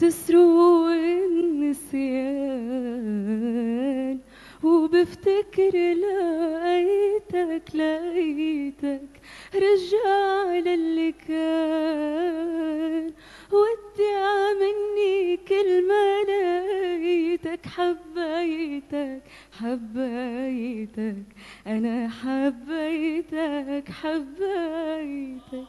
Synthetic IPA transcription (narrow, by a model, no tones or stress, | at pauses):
t̪ɪsɾuʔɪnnːɪsɪja | n | wbɪft̪akɪɾlaʔajt̪aklaʔajt̪ak | ɾˤɑʒaʕlalːɪkaː | n | wad̪ːɪʕamɪnːikɪlmanaʔjt̪akħabːʔajt̪ak | ħabːʔjt̪ak | ʔanaħabːʔajt̪akħabːaʔjt̪ak